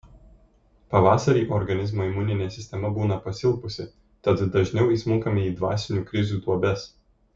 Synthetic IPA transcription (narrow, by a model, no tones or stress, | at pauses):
pɐʋɑːsɐɾʲiːʔɔɾɡɐnʲɪzmoːimʊnʲɪnʲeːsʲɪsʲt̪ʲɛmɐbuːnɐpɐsʲɪlˠpʊsʲɪ | t̪ɐt̪d̪ɐʒʲnʲɛʊiːsmʊŋkɐmʲɪiːd̪ʋɑ̰ːsʲɪnʲuːkɾʲɪzʲuːd̪uɔbʲɛs